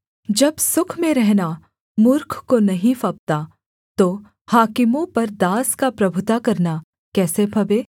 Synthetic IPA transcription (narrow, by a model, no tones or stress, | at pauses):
d͡ʒɐbsʊkʰmẽɾɛɦna | mʊɾkʰkonɐɦĩfɐp̚t̪a | t̪oː | haːkɪmõpɐɾd̪aːskapɾɐbʱʊt̪akɐɾna | kɛːsepʰɐbeː